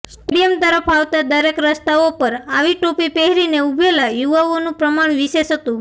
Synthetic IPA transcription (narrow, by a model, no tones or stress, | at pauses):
sʈɽijəmt̪əɾəpʰaʋt̪ad̪əɾekɾəst̪aopəɾaʋiʈopipeɦɾineubʱelajuʋaonũpɾəmaɳ̃ʋiseʃɦət̪ũ